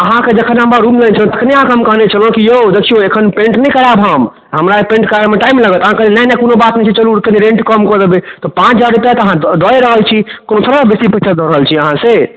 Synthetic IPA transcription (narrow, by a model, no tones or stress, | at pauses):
əɦãked͡ʒəkʰənɦəmɾaɾumlənt͡ʃʰəlt̪ə̥kʰneaɦãkeɦəmkəɦnet͡ʃʰəlõkijod̪ekʰijoekʰənpẽɳʈnɛikəɾabʱɦəm | ɦəmɾaepẽɳʈkaɾemeʈaimləɡət̪əɦãkelelɛnɛkonobat̪nɛt͡ʃʰit͡ʃəluɾkeniɾẽɳʈkəmkəd̪ebet̪ɔpãt͡ʃʰd͡ʒaɾip̪at̪əɦãd̪ɔjɾəɦəlt͡ʃʰikonosəɾəbesipətːt͡ʃʰad̪ʱɔɾəɦəlt͡ʃʰiəɦãse